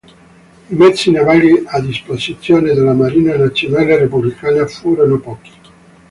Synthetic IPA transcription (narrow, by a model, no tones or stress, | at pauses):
imɛt̪sːinavaliad̪ːisposit̪sːjoːned̪elamaɾiːnanat̪ːjinalːerepublikaːnafuɾonopɔːki̥